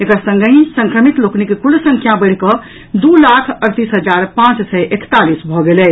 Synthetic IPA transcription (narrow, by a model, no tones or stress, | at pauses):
ekəɾsə̃ŋɡəĩsə̃ŋkɾəmit̪loknikekulsə̃ŋkʰjãbəɽ̤kɔ | d̪ulakʰəɾt̪isɦəd͡ʒaɾpãt͡ʃsɛʔekt̪alisbʱɔɡelɛ